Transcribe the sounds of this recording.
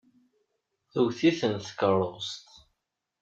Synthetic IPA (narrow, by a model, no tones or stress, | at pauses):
θuwθiθənθkərˤost̪